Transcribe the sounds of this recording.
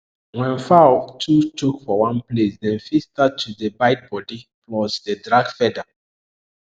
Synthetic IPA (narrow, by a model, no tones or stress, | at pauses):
wɛ̃nfatʰut͡ʃukfɔwãnplesdɛ̃nfistatʰːudəbaɪt̚bɔdiplɔsdədɹaɡfɛda